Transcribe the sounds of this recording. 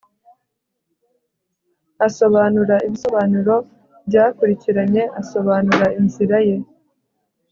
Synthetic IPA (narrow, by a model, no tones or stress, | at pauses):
aso̞βaːnuɾaiβiso̞βaːnuɾo̞ | bɟaːkuɾiciɾaɲe̞ʔaso̞βaːnuɾainziɾaje̞